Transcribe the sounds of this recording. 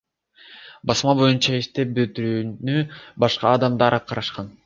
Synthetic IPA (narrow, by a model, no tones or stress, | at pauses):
bɑsmɑbo̞junt͡ʃɑiʃt̪e̞p̚bøt̪yɾyːnybɑʃqɑːd̪ɑmd̪ɑɾqʰɑɾɑʃqɑn